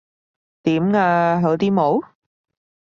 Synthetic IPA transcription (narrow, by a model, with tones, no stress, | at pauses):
t̪iː˨˥mŋaː˧ɦɐ˨˥wt̪iː˥mo˨˥w